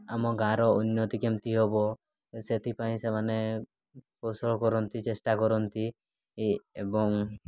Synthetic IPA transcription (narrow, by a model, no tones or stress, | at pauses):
amɔɡãɾɔunːɔt̪ikemt̪iɦɔbɔ | set̪ʰipaĩsemane | posɔɭkɔɾɔnt̪it͡ʃesʈakɔɾɔnt̪i | ebɔŋ